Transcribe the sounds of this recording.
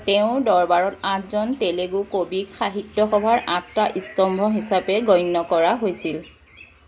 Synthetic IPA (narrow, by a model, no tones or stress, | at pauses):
tɛʊ̃dɔɹbaɹɔtãtzɔnteleɡukobikxaɦitːɔxɔbʱaɹʔãtːaʔistɔmbʱɔɦisapɛɡɔjnːɔkɔɹaɦojsil